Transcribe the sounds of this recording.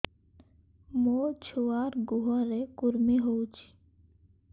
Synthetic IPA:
moːt͡ʃʰuwaːɾɡuɦaɾekuɾmiɦowt͡ʃʰi̥

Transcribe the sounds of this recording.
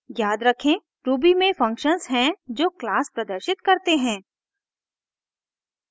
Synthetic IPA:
jaːd̪ɾɐkʰẽ | ɾuːbimẽfɐ̃ŋkʃənzɦɛ̃d͡ʒoːklaːspɾɐd̪əɾʃɪt̪kɐɾt̪eɦɛ̃ː

